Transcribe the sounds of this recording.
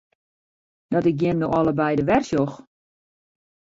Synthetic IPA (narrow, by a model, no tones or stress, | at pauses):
dɔtɪk̚ɡjɪmnowʔɔləbɛjdəʋɛrsjox